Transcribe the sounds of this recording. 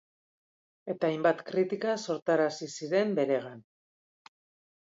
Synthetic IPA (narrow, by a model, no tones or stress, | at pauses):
e̞t̪aːjmbat̪kɾit̪ikaso̞ɾt̪aɾasisiɾe̞mbe̞ɾe̞ɣ̞an